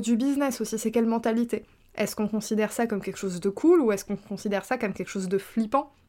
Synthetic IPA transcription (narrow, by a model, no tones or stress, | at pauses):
d̪ybiznɛsosisɛkʲɛlmɑ̃t̪alit̪e | ɛ̰skɔ̃kɔ̃sid̪ɛʁsakɔmkʲɛlkə̥ʃozd̪əkʰuluɛskɔ̃kɔ̃sid̪ɛʁsakɔmkʲɛlkəʃozd̪əflipɑ̃